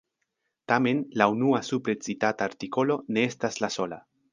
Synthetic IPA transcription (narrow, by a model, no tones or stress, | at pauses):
tame̞nlaunuasupɾe̞t͡sitataːɾtiko̞lo̞ne̞estaslaso̞la̰